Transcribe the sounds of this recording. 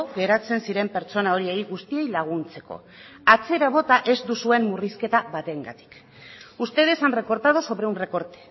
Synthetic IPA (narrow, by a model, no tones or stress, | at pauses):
ɣe̞ɾat͡se̞nsiɾe̞mpe̞ɾt͡so̞nao̞ɾie̞jɣust̪ie̞jlaɣ̞unt͡se̞ko̞̰ | at͡se̞ɾaβ̞o̞t̪aʔe̞zd̪usue̞mːuriske̞t̪aβat̪e̞ŋɡa̰t̪i̥k | ust̪e̞ð̞e̞sanreko̞ɾt̪að̞oso̞βɾe̞unre̞ko̞ɾt̪e̥